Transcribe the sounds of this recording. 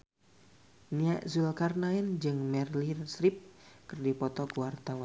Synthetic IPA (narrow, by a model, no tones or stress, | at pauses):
niaʔzulkarnaind͡ʒɨŋmɛrlinsɾip̚kɨrdipɔt̪ɔkuwart̪awan